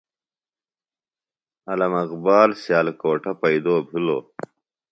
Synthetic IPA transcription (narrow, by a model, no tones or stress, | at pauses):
ɐlɐmɐqbaːlsjaːlkoːʈʰɐpɐid̪oːbʱilo̰ː